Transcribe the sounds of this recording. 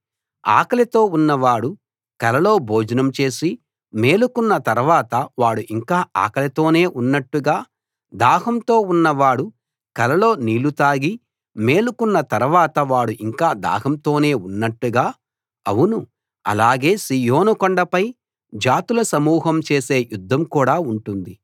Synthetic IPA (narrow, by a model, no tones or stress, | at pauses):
a̰ːkɐlɐt̪o̞ːunːɐʋaːɽu | kɐlɐlo̞ːbʱoːd͡ʒɐnɐmt͡ʃe̞ːsi | me̞ːlukunːɐt̪ɐɾuʋaːt̪ɐʋaːɽuʔiŋkaːʔa̰ːkɐlɐt̪o̞ːne̞ːʔunːɐʈːuɡaː | d̪aːɦɐmt̪o̞ːunːɐʋaːɽu | kɐlɐlo̞ːniːlut̪aːɡi | me̞ːlukunːɐt̪ɐɾuʋaːt̪ɐʋaːɽuʔiŋkaːd̪a̰ːɦɐmt̪o̞ːne̞ːunːɐʈːuɡaː | ɐwunu | ɐ̰laːɡe̞ːsiːjoːnukɔɳɖɐpɐj | d͡ʒaːt̪ulɐsɐmuːɦɐmt͡ʃe̞ːse̞ːjud̪ʱːɐmkuːɽaːuɳʈund̪i